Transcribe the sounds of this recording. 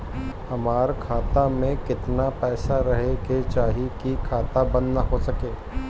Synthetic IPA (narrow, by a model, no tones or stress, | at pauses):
hɐmaːɾkʰaːt̪amẽkɪt̪napɛːsaɾɐɦeɡet͡ʃaːɦikikʰaːt̪abɐnːaɦosɐkeː